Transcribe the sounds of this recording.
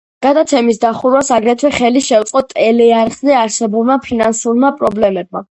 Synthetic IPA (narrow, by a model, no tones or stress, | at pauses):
ɡ̥ad̪at̪sʰɛmisd̪aχuɾwasaɡɾɛt̪ʰwɛχɛliʃɛwt̪sʼqʼɔt̪ʼɛlɛaɾʁzɛaɾsɛbulˠmapʰinansuɾmapʼɾɔblɛmɛb̚ma